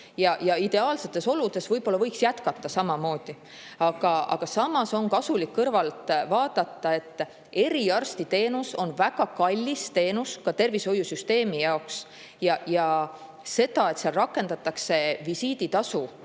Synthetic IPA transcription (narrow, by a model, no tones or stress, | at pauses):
jɑjɑid̪̥e̞ɑːlse̞t̪ːˑe̞so̞lud̪̥e̞svɤjb̥o̞lːɑɤjksjæt̪kɑt̪ːˑɑsɑmɑmo̞ːd̪̥i | ɑɡ̥ɑɑ̰ɡ̥ɑsɑmɑso̞nkɑsulikːɤrvɑlt̪ˑvɑːd̪̥ɑt̪ːˑɑe̞t̪ːˑ | e̞ɾiɑrst̪it̪e̞ːnuso̞nvæɡ̥ɑkɑlʲːist̪e̞ːnuskɑt̪e̞rviso̞jːusyst̪e̞ːmijɑoks | jɑjɑ | se̞d̪̥ɑe̞t̪sɑlrɑkːˑe̞nd̪̥ɑt̪ːˑɑkse̞visiːd̪it̪ɑsu